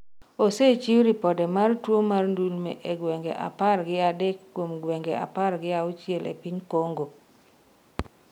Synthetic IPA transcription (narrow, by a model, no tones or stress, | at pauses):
oset͡ʃiwɾipɔdɛmartwomarndulmḛʔeɡwɛŋɡɛʔa̰parɡɪadɛkːomɡwɛŋɡɛa̰parɡɪaʊt͡ʃjɛlʔḛpiɲkoŋɡo